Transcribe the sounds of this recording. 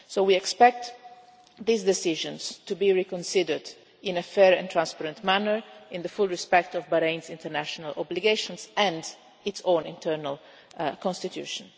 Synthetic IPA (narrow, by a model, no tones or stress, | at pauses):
sowiɛkspɛk̚t̪ | ðizd̪ɛsɪʒə̃nstubiɹikɔ̃nsɪdəɹd | ɪ̃nəfɛɹɛ̰̃nt̪ʰɹãnspaɾə̃ntmænəɹɪ̃nðəfulɹispɛk̚tɔvbəɾẽɪ̃nzɪ̃ntəɹnæʃɔnalʔɔ̰bliɡeʃɔ̃nsɛ̃nd | ɪtsõʊ̃nɪ̰̃ntʰɜɹnal | kɔ̃nst̪it̪ʰjṵːʃɔ̃n